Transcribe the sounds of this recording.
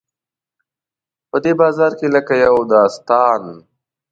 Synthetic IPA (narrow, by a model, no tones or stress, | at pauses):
pəd̪eːbɑːzɑːɾkeləkajawd̪aːst̪ɑːn